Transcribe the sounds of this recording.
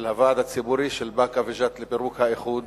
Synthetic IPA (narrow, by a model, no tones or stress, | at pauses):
lhavaːd̪hat͡sibuɾiʃelbakaveʒat̪lepeɾukhaeχud̪